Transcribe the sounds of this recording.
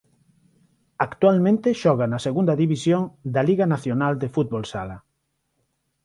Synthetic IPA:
akt̪walmẽnt̪ɪʃɔɣanɐseɣund̪ɐðiβisjoŋd̪ɐliɣanaθjonald̪efut̪̚βolsala

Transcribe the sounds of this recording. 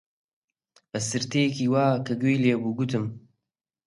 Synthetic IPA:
b̥ɐsɨɾt̪ejekiːwaːkʰɐɡejleːbuːɡut̪ɨm

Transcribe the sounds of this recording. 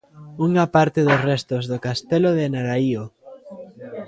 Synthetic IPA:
uŋapaɾt̪eðosrɛst̪ozðokast̪eloðenaɾaio

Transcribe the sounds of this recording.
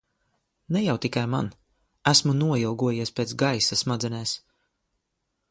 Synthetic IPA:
nɛjawt̪ikajma̰n | æsmunuɔjilˠɡuɔjiɛspeːt̪ɡajsasmad̪zɛnɛːs

